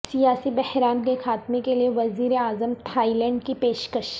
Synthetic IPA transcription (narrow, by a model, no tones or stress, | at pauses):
sijaːsibɛhɾaːnkexʰaːt̪mekelieʋɐziːɾeaːzəmt̪ʰaːilɛ̃ːɳɖkipeːʃkəʃ